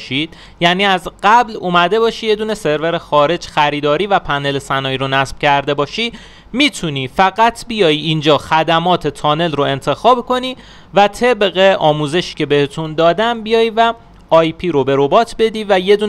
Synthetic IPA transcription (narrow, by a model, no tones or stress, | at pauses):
ʃid̪̥ | jæːniːæzɢæblumæd̪e̞bɒːʃije̞d̪uːne̞se̞ɾve̞ɾe̞xɒːɾe̞d͡ʒxæɾiːd̪ɒːɾiːvæpʰæne̞lesænɒːjiɾonæsb̥cʰæɾd̪e̞bɒːʃiː | miːt̪ʰuniːfæɣæt̪ʰbijɒːjiind͡ʒɒːxæd̪æmɒːt̪ʰe̞t̪ʰɒːne̞lroe̞nt̪ʰe̞xɒːbkʰo̞niː | væt̪ʰe̞bɣe̞ʔɒːmuːze̞ʃi̥ce̞be̞het̪ʰund̪ɒːd̪æmbijɒːjivæ | ɒːjpʰiːɾobe̞ɾo̞bɒːt̪ʰbe̞d̪iːvæje̞d̪uː